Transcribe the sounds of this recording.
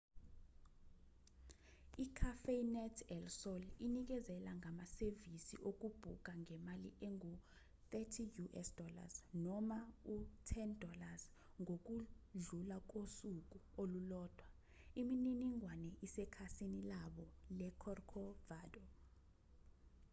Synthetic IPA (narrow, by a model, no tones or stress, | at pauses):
ikʰafenɛtʰɛlsɔlinik̬ɛzɛlaŋamasevisḭʔok̬ʼub̥ʱuk̬aŋɛmalḭʔeŋu | θɛtʰijuʔɛsd̥ʱɔla̰snɔmautʰɛndʱɔlaz | ŋok̬uɮulak̬ʼosuk̬ʼuolulɔːd̥ʱwa | imininiŋwanɛʔisɛkʰasinilaɓɔlɛkʰɔrkʰɔvaːdɔ